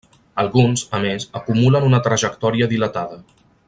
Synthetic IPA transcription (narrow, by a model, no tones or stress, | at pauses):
əlˠɣunzəmezəkumulənunət̪ɾəʒəkt̪ɔɾiəðilət̪aðə